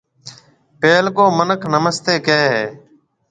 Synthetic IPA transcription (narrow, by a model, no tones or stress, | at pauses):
peːlkoːmənəkʰnəməst̪eːkeːɦeː